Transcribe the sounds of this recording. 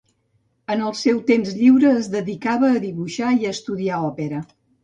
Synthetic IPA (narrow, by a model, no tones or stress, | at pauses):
ənəlˠsɛwt̪emzʎiwɾəːzðəðikaβəːðiβuʃaiəst̪uðiaɔpeɾə